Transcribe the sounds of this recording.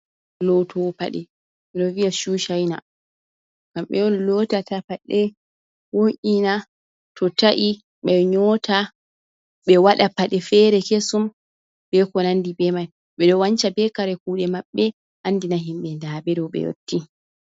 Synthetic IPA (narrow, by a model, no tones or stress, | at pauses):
lɔtʰɔpa̰ɗɛ | ɓɛɗɔvijaʃuʃajna | kamɓɛ̰ɔnlɔtatapaɗɛ | woʔina | tʰɔtaʔi | ɓɛɲɔta | ɓɛwaɗapaɗɛfɛːɾɛkesum | bɛkɔnandibɛmaj | ɓɛɗɔwaɲt͡ʃabɛkaɾɛkuːɗɛmaɓːɛ | ʔanːdinaɦimɓɛndabɛɗɔwɓɛ̰jo̰tːi